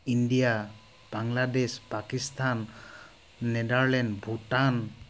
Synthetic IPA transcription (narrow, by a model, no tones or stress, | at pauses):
indija | b̥aŋladespakist̪ʰanː | ɛdaɹlɛndbʱutan